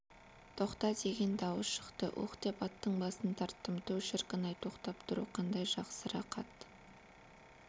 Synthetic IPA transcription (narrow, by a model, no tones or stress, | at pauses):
t̪ʰo̞qt̪ɑd̪e̞ɡʲe̞nd̪ɑwəsʃə̥qt̪əʔṵqt̪e̞pɑt̪ːəɴbɑsənt̪ʰɑɾt̪ːəmt̪ʰɵwʃɪɾqənɑjt̪ʰo̞qt̪ɑp̚t̪ʰʊɾṵqʰɑnd̪ɑjʒɑqsəɾɑqɑ̰t̪